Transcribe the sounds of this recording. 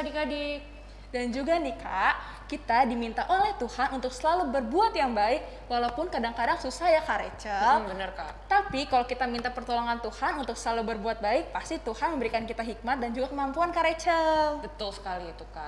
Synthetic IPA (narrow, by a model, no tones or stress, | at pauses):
kadikadi | dand͡ʒuɡanikʰaʔ | kit̪adimint̪aʔolɛht̪uhanunt̪ʊksəlalubərbuat̪jaŋbaɪk̚ | walapʊnkadaŋkadaŋsusahjakaɾet͡ʃəbənərka̰ | t̪apikalokit̪amint̪apərt̪oloŋant̪uhanunt̪ʊksəlalubərbuat̪̚baɪk̚past̪it̪uhanməmbəɾikankit̪aɦik̚mat̪̚dand͡ʒuɡakəmampuankaɾet͡ʃəlbət̪ʊlsə̥kaliːt̪uka̰